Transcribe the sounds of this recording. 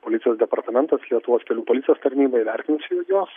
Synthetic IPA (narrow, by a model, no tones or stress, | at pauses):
poːlʲɪtsʲjoːsd̪ʲɛpɐɾt̪ɐmʲɛnt̪ɐslʲiɛt̪ʊʋoːskʲɛlʲuːpoːlʲɪt̪ʲɪjoːst̪ɐɾʲnʲiːbɐiʋʲɛɾʲt̪ʲɪnʲsʲɪjujoːs